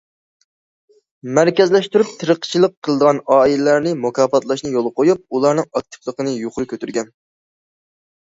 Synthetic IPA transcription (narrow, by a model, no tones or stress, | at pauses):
mæɾkʲɛzlɛʃt̪yɾyp̚t̪ʰɨɾəqt͡ʃʰilˠəqʰːəlˠɨd̪əʁɑnɑːilɪlæɾnɪmukʰɑːpɑt̪ʰlˠɑʃnɨjolˠqʰojup̚ulˠɑɾnɨŋɑk̚t̪ʰɨ̥plˠəqənɨjoχʊɾɨkʲʰøt̪ʰyɾɡʲɛn